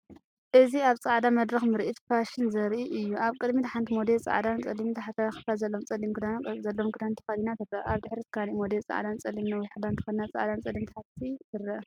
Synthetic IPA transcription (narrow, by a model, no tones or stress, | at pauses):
ʔɨziaβt͡sʼaʕd̪amɐd̪ɾɐxmɨɾʔit̪pʰaʃɪnzɐɾʔiʔɨjːuʔaβkʼɨd̪mit̪ʰħant̪ʰimod̪elt͡sʼa̰ʕd̪ant͡sʼɐlːimit̪ʰaħat̪xɨ̥fazɐlːomt͡sʼɐlimkd̪azɐlːomkʰɨd̪ant̪ʰɨ̥xɐlinat̪ʰɨrɐʔaβd̪ɨħɾit̪ʰɨ̥kʰalimod̪elt͡sʼa̰ʕd̪ant͡sʼɐlːimnɐwɔjħɨd̪ant̪ʰɨ̥xɐlnat͡sʼa̰ʕd̪ant͡sʼɐlːimt̪ɨħat̪ʰit̪ʰɨɾːɐ